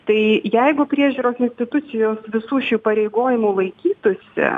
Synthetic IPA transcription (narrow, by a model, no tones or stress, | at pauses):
t̪ɐɪjɛɪɡʊpʲɾʲiɛʒʲuːɾoːsɪnʲsʲt̪ʲɪt̪ʊt̪sʲɪjoːsʋʲɪsuːʃʲuːpɐɾʲɛɪɡoːjɪmuːlˠɐɪkʲiːt̪ʊsʲɪ̰